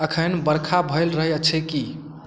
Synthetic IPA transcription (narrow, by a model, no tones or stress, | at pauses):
əkʰənbəɾkʰabʱəɪlɾəɦɛət͡ʃʰɛki